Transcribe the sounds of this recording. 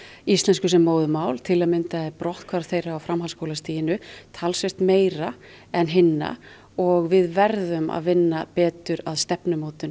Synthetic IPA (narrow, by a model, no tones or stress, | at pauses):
ist̪lɛnskʏsɛmːoːwðʏmaːwlt̪ʰɪlaðmɪnt̪aɛɾpɾɔht̪kʰvaɾθeːjɾaawfɾamɦalskowlast̪iːjɪnʏt̪ʰaːlsvest̪meːjɾa | ɛnɦɪnːa̰ | ɔɣvɪðvɛɾðʏma̰ðvɪnːapɛːt̪ʏɾaðst̪ɛpnʏmoːt̪ʏn